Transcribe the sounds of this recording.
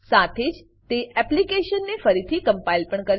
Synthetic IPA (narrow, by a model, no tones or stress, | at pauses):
sat̪ʰed͡ʒ | t̪eʔɛplikeʃənːefəɾit̪ʰikəmpailpəɳkəɾ